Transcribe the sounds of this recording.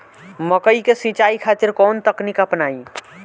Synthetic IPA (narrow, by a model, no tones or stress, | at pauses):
məkəikesĩt͡ʃaikʰaːt̪ɪɾkɔːnt̪əknikəpnaːi